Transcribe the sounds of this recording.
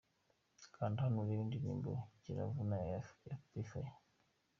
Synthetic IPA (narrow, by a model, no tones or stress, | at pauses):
kʰaːndihanuɾindinḭːmbeciɾa̰vunaajapifaj